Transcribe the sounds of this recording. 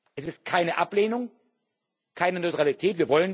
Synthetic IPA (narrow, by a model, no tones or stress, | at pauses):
ʔɛsɪst̚kʰaɪnəʔapleːnʊŋ | kʰaɪnənɔʏtʁ̥alitʰɛːtv̥iːɐvɔlən